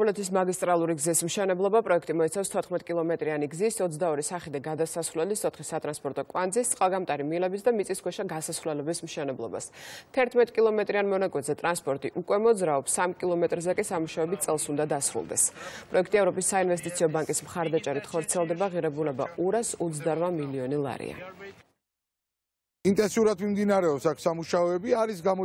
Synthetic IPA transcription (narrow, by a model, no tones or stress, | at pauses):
bulɛt̪ʰismaɡist̪ʼɾalˠuɾiɡzismʃɛnɛblˠɔbapʼɾɔɛkʰt̪ʼimɔit̪sʰafst̪ʰɔt̪χmɛt̪ʼkʼilˠɔmɛt̪ʼɾianiɡzisɔt̪s̬ʰd̪aɔɾisaχid̪ɛɡad̪asasχlɛlisʰɔt̪ʰχisat̪ʼɾanspʼɔɾt̪ʼɔkʼwand̪zist̪sʼqʼalˠɡamt̪ʼaɾimilɛbisʰd̪amit̪sʼiskʰwɛʃaɡasasχlɛlɛbismʃɛnɛblˠɔ̰ba̰st̪ʰɛɾt̪ʰmɛt̪ʼkʼilˠɔmɛt̪ʼɾianmɔnakʼwɛt̪zɛt̪ʼɾanspʼɔɾt̪ʼḭʔukʼwɛmɔd̪zɾaɔpsːamkʼilˠɔmɛt̪ʼɾzɛkʼisamuʃaɔɛbit̪t̪sʼɛlˠsund̪ad̪asɾṵlˠd̪ɛ̰spʼɾɔɛkʰt̪iɛvɾɔpʼisːainvɛst̪ʼit̪sʰiɔbaŋkʼismχaɾd̪at͡ʃʼɛɾit̪ʰχɔɾt̪sʰiɛlˠd̪ɛbaʁiɾɛbulɛba̰ɔɾasɔt̪s̬ʰd̪aɾvamiliɔnilˠa̰ɾḭa̰ | int̪ʼɛ̃nsiuɾad̪mimd̪inaɾɛɔpsakʰsamuʃaɔɛbiaɾis̬ɡamɔ